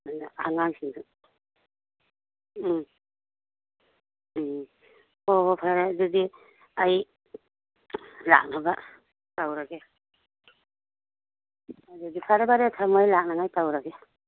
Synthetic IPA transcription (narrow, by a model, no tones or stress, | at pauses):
anaaŋaŋsiŋa | ɔɦɔpʰaɾadɯdi | aj | la̰k̚naba | tawɾaɡea | adɯdipʰaɾabaɾetʰamajlak̚naŋajtawɾaɡea